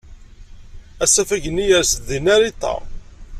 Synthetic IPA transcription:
æsæfæʝənːijæɾsəðinæɾit̪ˤːɑ̰

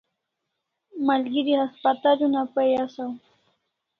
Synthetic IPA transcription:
maʎɢɪɾɪhaspat̪aʎʊnapajasaŋ

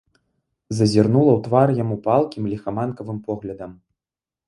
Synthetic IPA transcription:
zɐzʲirnulˠɐwt̪varjamupalˠkʲimlʲixɐmankɐvɨmpɔɣlʲɐd̪ɐm

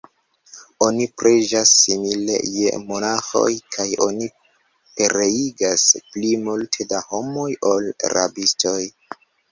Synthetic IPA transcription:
o̞nipɾʔeʒasːimile̞̰je̞̰mo̞naxo̞̰jkʰajo̞ni | pe̞ɾeiɡasplimultʰe̞daho̞mo̞jo̞lɾa̰bisto̞j

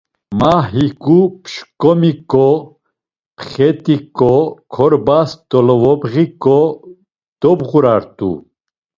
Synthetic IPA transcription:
maɦikʼupʃkʼɔmikʼɔ | pʰχɛt̪ʼikʼɔkʰɔɾbast̪ɔlɔvɔbʁikʼɔ | d̪̥ɔbʁuɾaɾt̪ʼṵ

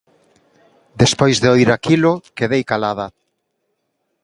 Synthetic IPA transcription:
d̪espojzðeoiɾakilʊkeðejkalaða

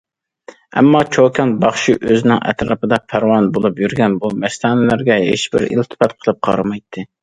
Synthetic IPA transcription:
ɛ̰mːɑt͡ʃʰokʲʰɑnbɑχʃiʔøzɪnɪŋʔɛ̰t̪ɾɑ̰pɨd̪ɑpʰæɾwɑnbolˠupjyɾɡʲɛnbumɛst̪ʰɑːnɪlæɾɡʲɛɦḛʃbɪ̰ɾḭlt̪ʰɨ̥pɛt̪qʰəlˠɨp̚qʰɑ̰ɾɨmɑjt̪ʰːɨ

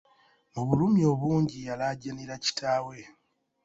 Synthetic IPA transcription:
muβulumio̞βuːɲɟijalaɟaniɾaci̥tʰaːwe̞

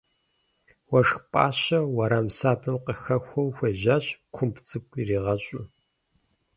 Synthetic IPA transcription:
wɐʂxpʼa̰ːɕɐwɐɾamsaːbʰɨmqəxɐxʷɐwxʷeʑaːɕkʷʰʊmpʰt͡sʼɨkʷʼiriːʁɐɕʼʊ

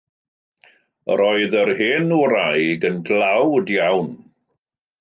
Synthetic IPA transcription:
əɾɔɨðəɾɦeːnuɾajɡənɡlˠawdjawn

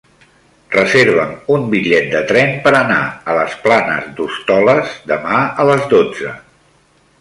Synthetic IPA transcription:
rəzeɾβ̞əmumbiʎɛt̪̚d̪ət̪ɾɛmpəɾənaələsplanə̰zd̪ust̪ɔləzd̪əmaələzdod͡zə

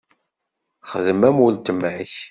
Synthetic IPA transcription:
χəðəmæməlt̪əmʕḭç

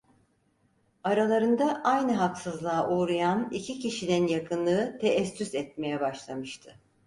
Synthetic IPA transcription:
aɾalˠaɾɯnd̪aʔajnɯɦaksɯzlˠaːʔuɾajanicʰicʰiʃininjakʰɯnlˠɯɯt̪ʰeʔɛsːysɛt̪̚me̞jɛbaʃlˠamɯʃt̪ʰɯ̥

